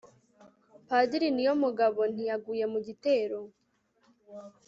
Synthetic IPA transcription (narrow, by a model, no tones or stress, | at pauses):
padiɾinijomuɡaβo̞n̥ijaɡuːje̞muɟite̞ːɾo̞